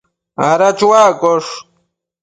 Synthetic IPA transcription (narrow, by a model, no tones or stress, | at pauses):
aɾat͡ʃwaːkoʂ